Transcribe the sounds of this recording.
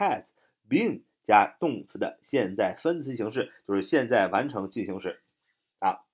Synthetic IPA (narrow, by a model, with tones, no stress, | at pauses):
ɛ˥˩s | pi˧˥˩ŋ | t͡ɕja˥t̪ʊ˥˩ŋt͡sɹ̩˧˥d̪ə̰˧ɕjɛ˥˧nt͡sa˥˩ɪfə˥nt͡sʰɹ̩˧˥ɕi˧˥ŋʂ̬ɻ̩˥˧t͡ɕjo˥˧ʂɻ̩˥˧ɕjɛ˥˧nt͡sa˥˩ɪwa˧˥nʈ͡ʂʰɤ˧˥ŋt͡ɕi˥˩ɕi˧˥ŋʂɻ̩˥˩ | a˧˩